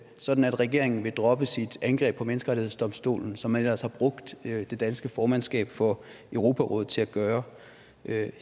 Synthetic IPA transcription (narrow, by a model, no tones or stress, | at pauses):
sɒ̽d̥n̩æd̥ʁɛɡ̥e̝ɐ̰e̝ŋn̩ʋe̝d̥ʁɒ̽b̥əsid̥ænɡ̥ʁɛ̰ːb̥̚ʰɒ̽menəsɡ̥əʁɑ̥̈ihðḛsd̥ɒ̽msd̥o̝̰ːln̩sɒ̽mːænelɐ̰shɑ̈b̥ʁɔ̽ɡ̥̚d̥d̥e̝d̥ænsɡ̥əfɒːmænsɡ̥ɛ̰ːb̥fɒ̽ | øʊʁo̝ːpʰæʁɔ̰ð̩ˠt͡sʰe̝læɡ̥ɶːɐ